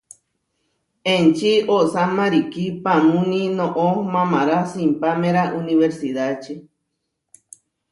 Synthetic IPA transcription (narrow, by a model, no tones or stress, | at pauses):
ẽnt͡ʃioʔsamãɾikipamũnĩnõʔomãmaɾasimpamẽɾaʔunĩβeɾsiðat͡ʃe